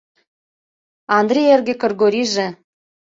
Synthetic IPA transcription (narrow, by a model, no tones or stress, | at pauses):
ɑnd̪rʲijerɡĕkɤ̆rɡoɾʲiʒĕ